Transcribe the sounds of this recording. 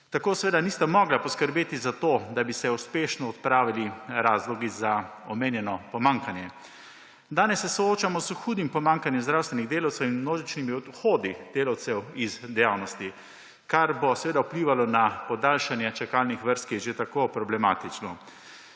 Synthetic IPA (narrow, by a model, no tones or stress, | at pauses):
t̪akoːsɛʋeːd̪aniːst̪amɔɡlapɔskəɾbeːt̪izat̪oːd̪abisɛuspeːʃnɔːt̪̚pɾaːʋiliɾaːzlɔɡizaɔmeːnjɛnɔpɔmaːŋkanjɛ | d̪aːnɛsːɛsɔoːt͡ʃamɔsxuːd̪impɔmaŋkanjɛmzd̪ɾawst̪ʋɛniɣd̪eːlawt̪sɛwinmnoːʒit͡ʃnimiɔd̪xoːd̪id̪̥eːlawt̪sɛwizd̪ɛjaːwnɔst̪i | kaɾbɔsɛʋeːd̪aupliːʋalɔnapɔd̪alʃanjɛt͡ʃɛkalnixʋəɾst̪kjɛʒet̪akopɾɔblɛmaːt̪it͡ʃnɔ